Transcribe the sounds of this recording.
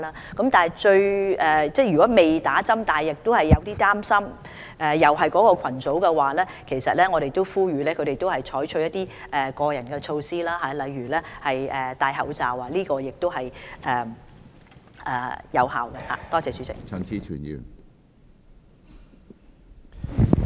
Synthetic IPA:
laː˥kɐ˨˥mt̪aː˨nɐ˨˩jt͡ʃɵ˧ɥɛː˨t͡sɛː˥˩jɥyː˨kɔː˨˥me˨jt̪aː˨˥t͡sɐ˥mt̪aː˨jɪ˨k̚t̪o˥whɐ˨jːɐ˨˧wt̪iː˥t̪aː˥msɐ˥m | ʔɛː˨jɐ˨˩wɦɐ˨jkɔː˨˥kɔː˧kʰɐ˨˩nt͡so˨˥wkɛ˧waː˨lɛː˥kʰe˨˩sɐ˨t̚lɛː˥ŋɔː˨˧ɾe˨jt̪o˥wfuː˥jyː˨˧lɛː˥kʰɵ˨˧ɾe˨jt̪o˥whɐ˨jt͡ʃʰɔː˨˥jt͡ʃʰɵ˧ɥjɐ˥t̪ːiː˥ | ʔɛː˨kɔː˧jɐ˨˩nkɛː˧t͡ʃʰo˧wsiː˥laː˥ɦaː˨˦lɐ˨˧jːyː˨˩lɛː˥hɐ˨jɛː˨t̪aː˧jɦɐ̰˨˧wt͡saː˨wa˧liː˥kɔː˧jɪ˨k̚t̪o˥wɦɐ˨jʔɛː˨˩ | ʔɛː˨jɐ˨˧wha̰ː˨wkɐ˧ha̰ː˨˩t̪ɔː˥t͡sɛː˨˧syː˨˥t͡sɪ̰˨k̚t͡sʰœ˨˩nt͡sʰiː˨˧t͡ʃʰy̰ː˨˩njy̰ː˨˩n

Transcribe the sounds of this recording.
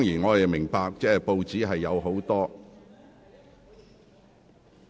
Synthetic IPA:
t̪ɔː˥ŋjiː˨˩nŋɔː˨˧je˨mɪ˨˩ŋpaː˧k̚t͡sɛː˥˩po˧wt͡siː˨˥ɦɐ˨jːɐ˨˧wɦo˨˥wt̪ɔː˥

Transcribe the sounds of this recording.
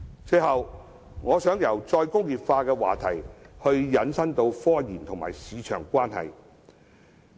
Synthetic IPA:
t͡sɵ˧ɦɐ˨w | ŋɔː˨˧sœː˨˥ŋjɐ˨˩wt͡sɔː˧jkʊ˥ŋjiː˨pfaː˧kɛː˧wa̰ː˨t̪ʰɐ˨˩jhɵ˧ɥjɐ˨˥nsɐ˥ŋt̪o˧wfɔː˥jiː˨˩nt̪ʰʊ˨˩ŋma̰ː˨˩jsiː˨˧t͡ʃʰœː˨˩ŋkʷaː˥nɦɐ̰˨j

